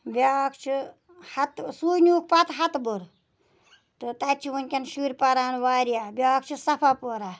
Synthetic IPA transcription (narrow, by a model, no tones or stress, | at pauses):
bʲaːkʰt͡ʃʰi | hɐt̪suːjnʲuːk̚ʰpɐt̪ɦɐt̪buɾ | t̪ɨt̪ɐt͡ʃʰiʋunʲkʲɐnʃuɾʲpɐɾaːnʋaːɾijaːbʲaːkʰt͡ʃʰisɐpʰapoːɾaː